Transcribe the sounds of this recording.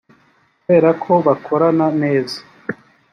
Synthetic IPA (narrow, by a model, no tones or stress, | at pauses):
kue̞ːɾakʰo̞βakʰo̞ɾanane̞ːza